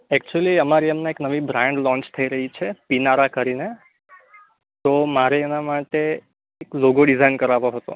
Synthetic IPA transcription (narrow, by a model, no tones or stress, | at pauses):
ɛk̚t͡ʃuəliəmaɾiəmnaeknəʋibɾãɳɖlɔ̃ɲt͡ʃt̪ʰəiɾəɦit͡ʃʰepinaɾakəɾine | t̪omaɾeenamaʈeː | kloɡoɖizainkəɾaʋoɦət̪o̰